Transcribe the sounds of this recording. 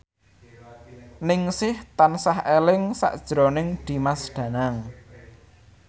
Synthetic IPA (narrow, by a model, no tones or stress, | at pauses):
nɪŋsɪht̪ansahelɪŋsa̰ʔd̥ʒ̥ɾonɪŋd̪̥i̤masɖ̥ä̤naŋ